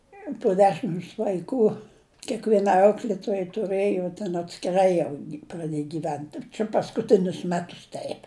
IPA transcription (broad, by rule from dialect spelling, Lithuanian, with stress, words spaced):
poː ˈdʲæːʃʲɪms ʋɐɪˈkuː kʲeːkʋʲiɛˈnɐɪ ˈɐʊklʲeːtoːjɛɪ tʊˈrɘjoː tʲɛn ɐtʲsʲkʲɪˈrɐɪ jɛʊ prɐˈdʲeːj ɡʲiːˈʋʲɛnt t͡ʃʲɛ pɐskʊˈtʲɪnʲʊs ˈmʲæːtʊs ˈtʲɛɪp